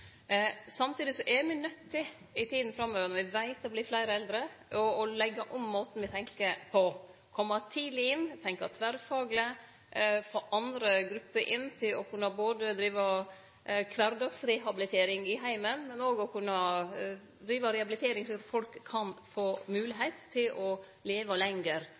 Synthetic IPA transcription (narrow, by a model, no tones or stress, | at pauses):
sɑmt̪ʰiːd̪ɪsɔʔɛɾmiːnœt̪ʰːɪ | ɪt̪ʰiːd̪n̩fɾɑmːøːʋəɾnɔʋɪʋæɪt̪ɔbliːflæɪɾəɛld̪ɾəʔɔɔlɛɡːɑʔɔmːoːt̪n̩ʋɪt̪ʰɛŋkəpʰɔ | kʰɔmːɑt̪ʰiːd̪lɪɪnːt̪ʰɛŋkɑ̰t̪ʰʋæɾfɑːɡlə | foːʔɑnd̪ɾəɡɾʉpːəɾʔɪnːt̪ʰɪlɔkʰʉnːɑboːd̪əd̪ɾiːʋɑ | kʰʋæɾd̪ɑksɾɛɦɑbɪlɪt̪ʰeːɾɪŋɪɦæɪmənmɛnoːɡɔkʰʉnːɑ | d̪ɾiːʋɑɾɛhɑbɪlɪt̪ʰeːɾɪŋsɔɑt̪fɔlkʰːɑnfoːmʉːlɪɦɛɪt̪ʰːɪlʔɔ | leːʋɑlɛŋəɾ